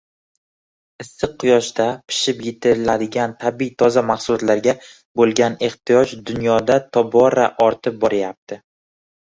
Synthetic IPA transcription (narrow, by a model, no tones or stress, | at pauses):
ɪsːɨq̚ʰːʊjɒʃd̪apʰɪ̥ʃɪpjɪt̪ʰɪɾɪlad̪ɪɡʲant̪ʰabiijt̪ʰɒzamaχsʊlɒt̪laɾɡʲa | bolˠɡʲane̞χt̪ɪjɒd͡ʒd̪ʊnjɒd̪at̪ʰɒbɒɾaʔɒɾt̪ʰɪp̚bɒɾajap̚t̪ʰɪ